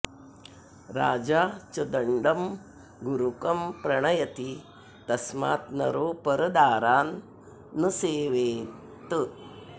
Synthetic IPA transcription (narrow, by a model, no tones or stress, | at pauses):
ɾa̰ːd͡ʒaːt͡ʃɐd̪ɐɳɖɐm | ɡuɾukɐmpɾɐɳ̃ɐjɐt̪i | t̪ɐsma̰ːt̪nɐɾoːpɐɾɐd̪aːɾaːnː | ɨseːʋeː | t̪ɨ